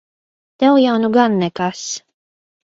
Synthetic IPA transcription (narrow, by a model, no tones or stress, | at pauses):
t̪ɛwjawnuɡanːɛkas